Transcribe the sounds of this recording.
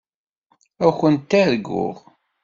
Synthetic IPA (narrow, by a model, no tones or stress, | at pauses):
æxənt̪ːæðɡːʊ̰ʁ